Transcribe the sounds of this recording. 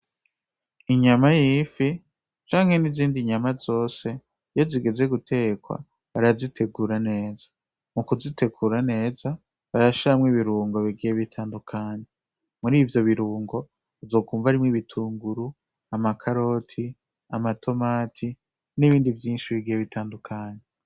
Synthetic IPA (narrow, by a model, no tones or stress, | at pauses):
iɲamajiːfi | t͡ʃaːŋhe̞niziːndiɲamazo̞ːse̞ | joziɡe̞ze̞ɡutʰe̞kwa̰ | βaɾazitʰe̞ɡuːɾane̞ːzḁ | mukuzitʰe̞ɡuːɾane̞ːza | βaɾaβʃiɾamŋiβiɾuːŋɡo̞βiɡijeβitʰaːndukʰaːɲe̞ | muɾiːvjo̞βiɾuːŋɡo̞ | zo̞ːkuːɱvaɾimŋiβitʰuːŋɡuɾu | amakʰaɾo̞tʰi | amatʰo̞maːtʰi | niβiːndivjiːnʃiβiɡijeβitʰaːndukʰaːɲe